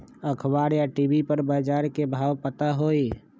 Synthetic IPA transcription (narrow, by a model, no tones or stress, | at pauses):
əkʰbaːɾjaʈibipəɾbaːd͡ʒaːɾkebʱaːʋpət̪aɦoːi